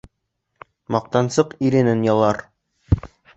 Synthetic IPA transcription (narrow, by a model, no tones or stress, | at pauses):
mɑq̚t̪ɑnsɤqiɾɘ̆nɘnjɑlˠɑɾ